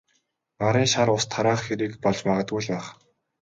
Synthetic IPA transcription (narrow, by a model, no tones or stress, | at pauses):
maɾiːnʃaɾʊst̪ʰːaɾaːχxeɾiːkpɔɮt͡ɕmaʁə̆t̪ɡujɮpæːχ